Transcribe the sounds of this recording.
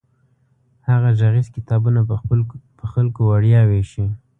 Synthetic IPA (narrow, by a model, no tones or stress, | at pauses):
haɣaʒaɣizkɪt̪ɑbuna | pəxalkowaɽjɑweʃi